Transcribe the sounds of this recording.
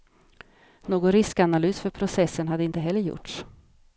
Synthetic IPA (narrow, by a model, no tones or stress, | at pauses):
noːɡɔnɾɪskanalyːsfœɾpʰɾʊsɛsːənɦad̪əɪnt̪əɦɛlːəɾjʊ̰ʈʂ